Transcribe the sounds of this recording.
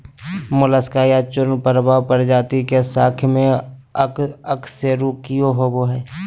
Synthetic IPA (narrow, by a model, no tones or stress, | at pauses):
mʊləskaːjat͡ʃʊɾnpəɾbaːpəɾd͡ʒaːt̪ikesaːkʰmẽəəkseɾukːijoɦoboɦɛː